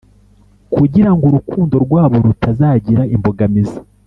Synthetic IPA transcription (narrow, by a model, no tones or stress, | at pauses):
kuɟiɾaŋɡuɾukuːndo̞ɾɡwaːβo̞ɾutazaːɟiɾaimbo̞ɡamizi̥